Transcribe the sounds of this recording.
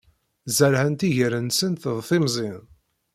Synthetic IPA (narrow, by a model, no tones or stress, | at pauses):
zəɾhənt̪iʝəɾənsənt̪əðˤθimzˤɪn